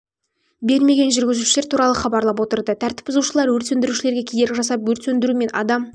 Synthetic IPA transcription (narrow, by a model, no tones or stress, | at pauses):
be̞ɾme̞ɡʲe̞nʒʏɾɡʲɪzuʃleɾt̪ʰuɾɑlˠəχɑbɑɾlˠɑp̬wo̞t̪əɾd̪ət̪ʰæɾt̪ɪ̥pʊzuʃəlˠɑɾwɵɾt̪e̞nd̪ɪɾuʃɪleɾɡʲe̞kʲʰed̪e̞ɾʲɪʒɑsɑpwɵɾt̪end̪ɪɾume̞nɑ̰d̪ɑm